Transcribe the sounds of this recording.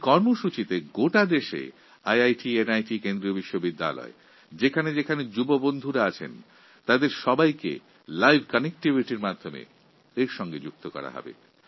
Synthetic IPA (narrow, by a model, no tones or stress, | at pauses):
kɔɾmoʃut͡ɕit̪eɡoʈad̪eʃḛ | ajajʈienajʈikend̪ɾiobiʃːobid̪ːa̰lɔ̰e | d͡ʑekʰaned͡ʑekʰaned͡ʑubobond̪ʱuɾaat͡ɕʰḛn | t̪ad̪eɾʃɔbajkḛ | lajbʱkɔnek̚ʈibʱiʈiɾmad̪ʱːomḛ | eɾʃɔŋɡed͡ʑuk̚t̪okɔ̰ɾa̰ɦɔ̰bḛ